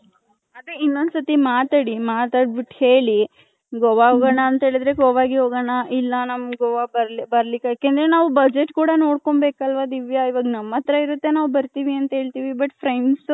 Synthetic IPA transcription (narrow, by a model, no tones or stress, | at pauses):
ad̪ɾeinːond̪sɐt̪imaːt̪aːɽimaːt̪aːɽbiʈhe̞ːɭi | ɡɔʋaɦoɡɐɳɐːnt̪ɐɦe̞ːɭid̪ɾe̞ɡɔʋaːɡiɦoːɡɐɳɐʔilːɐnɐmːɡɔʋabɐɾbɐɾlikːjaːkeːnd̪ɐɾenaːʋubɐd͡ʒeʈkuːɽɐno̞ːɽko̞ɳbeːkɐlʋad̪iʋjɐiʋaːɡnɐmːɐt̪ɾɐiɾut̪ːe̞naːʋubɐɾt̪iːʋiɐnt̪ɐɦe̞ːɭt̪iʋibɐʈpʰɾejɳɖs